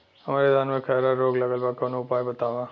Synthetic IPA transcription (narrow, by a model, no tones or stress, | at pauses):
ɦɐmaːɾed̪ʱaːnmẽkʰɛɾaɾːoːɡlɐɡəlbakɐnõʊpaːjbɐt̪aːʋãː